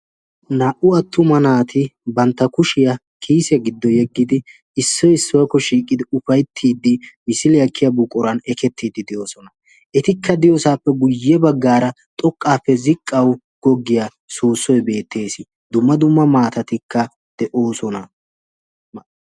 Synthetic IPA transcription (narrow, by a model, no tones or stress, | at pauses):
naːʔʊɐt̪ʰːʊmɐnaːt̪ɪbɐnt̪ːɐkʊʃɪjɐ | kʰiːsjɐɡɪd̪ːɔjɛɡːɪd̪ɪ | ɪsːɔjɪsːɔjɐkːɔʃiːkʼːɪd̪ɪʊfɐjt̪ʰːiːd̪ːɪmɪsɪlɪjɐkːɪjɐbukʼːʊɾɐnɛkɛt̪ːiːd̪ɪd̪ɪjoːsɔnɐ | ʔɛt̪ɪkʰːɐd̪ɪjoːsaːpːɛɡʊjːɛbɐɡːaːɾɐ | t̪ʼɔkʼːaːpːɛzɪkʼːɐw | ɡ̥ɔɡːɪja | soːsːɔjbe̞ːt̪ʰːe̞ːsɪ | d̪ʊmːɐd̪ʊmːɐmaːt̪ɐt̪ɪkːɐ | d̪̥ɛʔo̞ːsɔnɐ